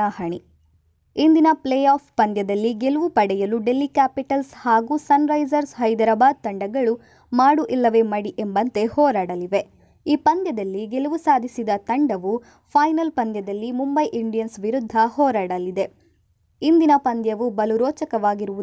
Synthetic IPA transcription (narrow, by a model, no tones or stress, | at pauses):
aːhɐɳi | ind̪inɐplejaːppɐnd̪jɐd̪ɐlːiɡe̞luʋupɐɽɛjɐluɖe̞lːikaːpiʈɐlshaːɡuːsɐnɾɐjzɐɾsɦɐjd̪ɐɾɐbaːd̪̚t̪ɐɳɖɐɡɐɭu | maːɽuʔilːɐʋe̞mɐɽiʔembɐnt̪e̞hɔːɾaːɽɐliʋe̞ | iːpɐnd̪jɐd̪ɐlːiɡeluʋusaːd̪ʱisid̪ɐt̪ɐɳɖɐʋu | pʰɐjnɐlpɐnd̪jɐd̪ɐlːimumbɐjʔiɳɖijɐnsʋiɾud̪ʱːɐhɔːɾaːɽɐlːid̪e̞ | ind̪inɐpɐnd̪jɐʋubɐluɾɔːt͡ʃɐkɐʋaːɡiɾuʋu